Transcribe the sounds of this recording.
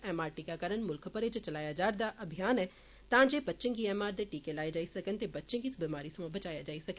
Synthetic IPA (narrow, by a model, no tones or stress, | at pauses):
ɛːmaːɾʈiːkakəɾənmʊlkʰpəɾet͡ʃət͡ʃəlaːjad͡ʒaːɾd̪aʔɐbʱijaːnɛː | t̪ãːd͡ʒeːbətːʃə̃ŋɡiːɛːmaːɾd̪eʈiːkelaːed͡ʒaːisɐkənt̪ebətːʃə̃ɡiːsbimaːɾisbət͡ʃaːjad͡ʒaːisɐk